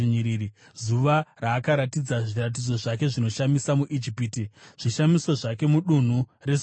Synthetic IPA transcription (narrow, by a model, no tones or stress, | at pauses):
ɲiɾiːɾi | zuʋaraːkaɾatid͡zaʐirat̬id͡zo̞ʐake̞ʐino̞ʃamisamuʔid͡ʒipiːtiʐ̥iʃamiso̞ʐake̞muɗun̤ure̞